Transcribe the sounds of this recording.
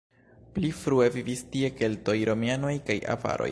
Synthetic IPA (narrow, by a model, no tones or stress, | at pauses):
plifɾue̞vivistie̞ke̞lto̞jɾo̞miano̞jkaja̰va̰ɾo̞̰j